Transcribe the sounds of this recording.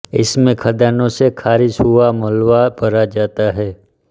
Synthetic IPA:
ɪsmẽkʰɐd̪aːnõsekʰaːɾɪʃɦʊaməlʋabɐɾad͡ʒaːt̪aɦɛː

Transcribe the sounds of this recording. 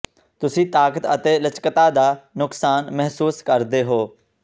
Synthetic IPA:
t̪ʊsĩːt̪aːkət̪ə̰t̪eːlət͡ʃkət̪aːd̪aːnʊksaːnmɛɦsuːskəɾd̪eːɦoː

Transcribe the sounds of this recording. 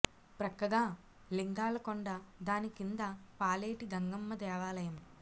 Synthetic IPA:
pɾɐkːɐɡaː | liŋɡaːlɐkoɳɖɐd̪aːnikind̪ɐpaːleːʈiɡɐŋɡɐmːɐd̪ɛːʋaːlɐjɐm

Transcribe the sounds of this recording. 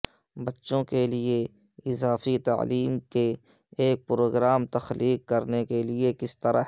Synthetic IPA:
bɐtːʃõkelie | ɪzaːfit̪a̰ːliːmkeː | k̚pɾoːɡɾaːmt̪ɐxliːkːɐɾnekeliekɪst̪əɾa

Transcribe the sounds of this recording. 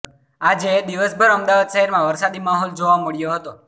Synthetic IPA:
ad͡ʒed̪iʋəsbʱəɾəmd̪aʋad̪ʃəɦɛɾmãʋəɾsad̪imaɦɔld͡ʒoʋaməɭjoɦət̪o

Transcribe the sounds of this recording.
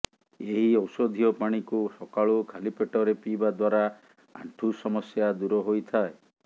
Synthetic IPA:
eɦiɔwsɔd̪ʱijɔpaɽ̃ikusɔkaɭukʰalipeʈɔɾepibad̪waɾa | a̰ɳʈʰusɔmɔsjad̪uɾɔɦojt̪ʰae

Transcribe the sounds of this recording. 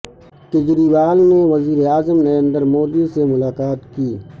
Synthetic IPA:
ked͡ʒɾiːʋaːlneʋɐziːɾeaːzəmnɐɾə̃nd̪əɾmoːd̪isemʊlaːkaːt̪kiː

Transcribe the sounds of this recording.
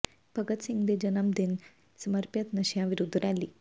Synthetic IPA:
b̥ʱɐɡɐt̪siŋɡd̪ed͡ʒɐnɐmd̪in | sɐmɐɾpjɐt̪nɐʃjaʋiɾud̪ʱːɾaːlːi

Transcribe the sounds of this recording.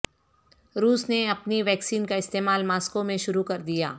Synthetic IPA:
ɾuːsneɐpniʋɛːksiːnkaɪst̪eːmaːlmaːskomẽʃʊɾukɐɾd̪ija̰ː

